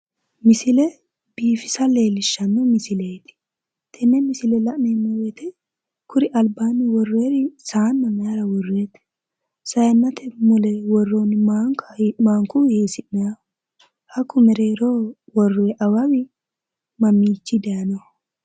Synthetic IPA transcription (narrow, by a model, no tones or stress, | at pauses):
mɪsɪlɛ | b̥iːfɪsɐle̞ːlɪʃːɐnːɔmɪsɪleːt̪ɪ̥ | t̪ʰɛnːɛmɪsɪlɛlɐʔneːnːɐwɛt̪ʰɛ | kʰʊɾɪʔɐlbaːnːɪwɔrːeːɾɪsaːnːɐmaɾɐwɔrːeːt̪ | sɐjɐnːɐt̪ʰɛmʊlɛwɔrːoːnɪaŋkʰɐmaːŋkʊheːsɪnɐɐ | hɐkːʊmɛɾeːɾoːwɔrːeʔɐwɐwɪ | mɐmːiːt͡ʃːɪd̪ejɐnɐ